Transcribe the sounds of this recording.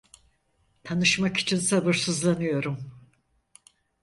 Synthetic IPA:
t̪ʰanɯʃmaki̥t͡ʃʰinsabɯɾsɯzlˠanɯjo̞ɾum

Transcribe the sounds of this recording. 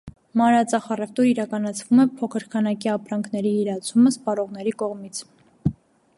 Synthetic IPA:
mɑɾɑt͡sɑχɑrɛft̪uɾiɾɑkɑnɑt͡sʰvumɛpʰɔkʰəɾkʰɑnɑkiɑpɾɑŋkʰnɛɾiːɾɑt͡sʰuməspɑɾɔʁn̪ɛɾikɔʁmit͡sʰ

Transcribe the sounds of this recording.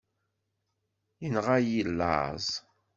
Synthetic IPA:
jənʁajilːa̰zˤ

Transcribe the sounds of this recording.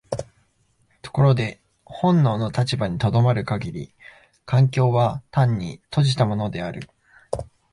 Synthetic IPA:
t̪o̞̥ko̞ɾo̞d̪e̞ | hõ̞nːo̞ːno̞t̪at͡ɕibaɲ̟it̪o̞d̪o̞maɾɯ̟kaɡʲiɾʲḭ | kãŋkʲo̞ːβat̪ãɲ̟ːit̪o̞ʑit̪amo̞no̞d̪e̞aɾɯ̟̰

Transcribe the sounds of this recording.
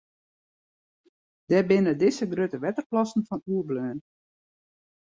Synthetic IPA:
d̥ɛbɪnədɪsəɡrøtəʋɛtərplɑsn̩fɔnuːəbløːn

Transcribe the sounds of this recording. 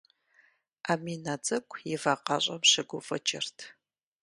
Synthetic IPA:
aːmiːnad͡zʼɐkʷʰʼjɪvaːqɑɕʷʼɐmɕɪɡʷʊfʼɐt͡ʃʰʼɪrtʰ

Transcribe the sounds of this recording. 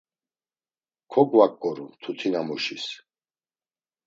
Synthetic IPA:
kʰɔɡwakʼːɔɾut̪ʰut̪ʰinamɔʃis

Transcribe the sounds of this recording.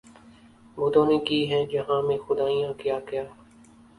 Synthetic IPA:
bʊd̪õːnẽːkiːɦɛ̃ːd͡ʒəɦãːmẽːxʊd̪aːijãːkɪjaːkɪjaː

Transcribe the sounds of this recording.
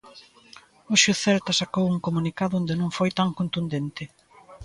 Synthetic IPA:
oʃoθɛɾt̪ɐsakowuŋkomunikaðʊond̪enõŋfojt̪aŋkont̪und̪ent̪ɪ

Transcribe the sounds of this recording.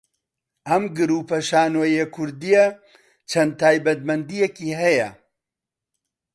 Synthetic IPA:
ʔɐmɡɨɾuːpɐʃaːnwɐjekʰʊɾd̪ijɐ | t͡ʃʰɐnd̪̚t̪ʰaːjbɐt̪̚mɐnd̪ijekiːɦɐjɐ

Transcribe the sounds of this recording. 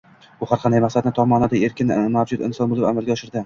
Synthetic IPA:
ʊhaɾqʰɑnd̪ajmaχsad̪̚nɪt̪ʰɒmɒnɪd̪ae̞ɾkʲɪnmawd͡ʒʊd̪ɪ̰nsɒnbolɪpamalˠɡʲaɒʃɪɾd̪ɪ

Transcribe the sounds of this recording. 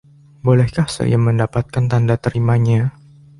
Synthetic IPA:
bolɛhkahsa̰jaməndapat̪̚kant̪andat̪əɾimaɲa

